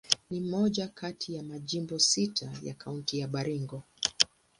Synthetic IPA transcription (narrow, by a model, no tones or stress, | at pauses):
nimɔʄakʰatʰijamaʄimbɔsitʰaja̰kauntijaɓaɾiŋɡɔ